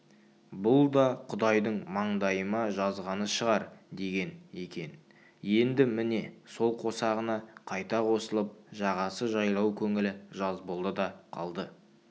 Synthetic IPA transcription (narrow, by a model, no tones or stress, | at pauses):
bʊlˠd̪ɑqʰʊd̪ɑjd̪əɴmɑɴd̪ɑjəmɑʒɑzʁɑnəʃəʁɑɾd̪e̞ɡʲe̞ne̞kʲe̞n | je̞nd̪ɪmɪne̞so̞lˠqʰo̞sɑʁənɑqʰɑjt̪ɑqʰo̞səlˠəp̚ʒɑʁɑsəʒɑjlˠɑwkʲʰɵŋɪlɪʒɑzbolˠd̪əd̪ɑqʰɑ̰lˠd̪ə